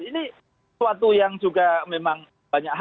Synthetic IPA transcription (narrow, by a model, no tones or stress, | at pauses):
ini | wat̪ujaŋd͡ʒuɡamemaŋ | baɲakɦ